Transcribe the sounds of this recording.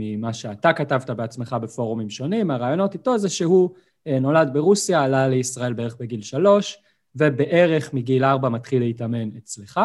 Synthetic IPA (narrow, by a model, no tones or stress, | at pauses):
mimaʃe̞atakatavtabeat͡sme̞χabefo̞ʁumimʃo̞nimaʁaːjo̞no̞tito̞zeʃe̞ɦu | no̞ladbeʁusjaːlale̞isʁae̞lbe̞e̞eχbeɡilʃalo̞ʃ | ve̞be̞ʔe̞ʁe̞χmiɡilaʁbamatχilːeitame̞nett͡sleχa